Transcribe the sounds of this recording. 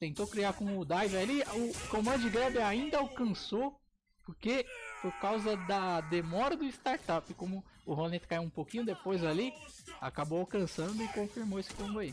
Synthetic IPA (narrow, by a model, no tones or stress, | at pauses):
t̪ẽnt̪okɾiakõʊd̪ajvaaliʊkõmɐ̃ʊd͡ʒɪɡɛbɪaĩnd̪ɐawkɐ̃so | poɾkepoɾkawzɐd̪ɐd̪emɔɾɐd̪ʊɪst̪aɾt̪apɪkõmʊːɦonẽt̪ɪkaiwũpokĩɲʊd̪epojzali | a̰kabowawkɐ̃sɐ̃nd̪ʊɪkõfiɾmowesɪ̥kõɡai